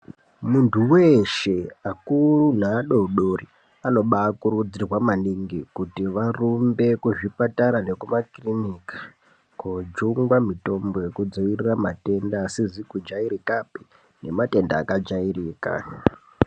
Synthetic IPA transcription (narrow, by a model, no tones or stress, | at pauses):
muntʰuweʃe̞akurunaːɗouɗori | ano̞ɓaːkuɾud͡zirwamaniŋɡikutiʋarumbe̞kuʐipataɾane̞kumakrinikḁ | kud͡ʒuŋɡwamito̞mboje̞kud͡zoʋiriramate̞ndaːsizikud͡ʒaiɾikapi̥ | ne̞mate̞ndaːkad͡ʒairiːka̰